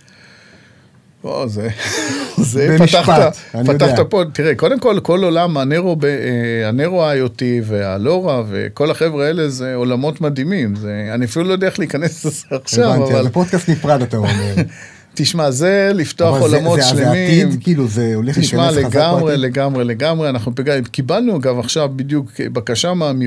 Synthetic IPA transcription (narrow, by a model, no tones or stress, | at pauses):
ʔo̰ze | zepaiʃtataanipajotaχtapotiʁeko̞d̪e̞mko̞lko̞lo̞lamaneʁobeeaneʁoajotivea̰lo̞ʁave̞̰ko̞laχe̞vʁeaele̞ze̞olamo̞tmad̪imimzeaniafilulojdeeχleikanesz̥eaχʃavavalpod̪kast̪nifʁadat̪ameʁ | tiʃmazelift̪oaχolamo̞tʃʃlemiimkiːluzeoleχtliʃmaleɡamʁele̞ɡamʁe̞le̞ɡamʁeanaχnupiɡakibalnuaɡavaχʃavbid̪jukbakaʃamaːmi